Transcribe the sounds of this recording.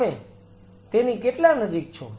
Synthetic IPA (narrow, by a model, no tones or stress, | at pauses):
me | t̪enikeʈlanəd͡ʒik̚t͡ʃʰo̰